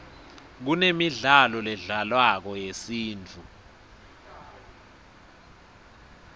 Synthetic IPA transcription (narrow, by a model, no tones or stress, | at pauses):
k̬unemiɮalɔlɛɮalwak̬ɔjesiːnt͡fʰu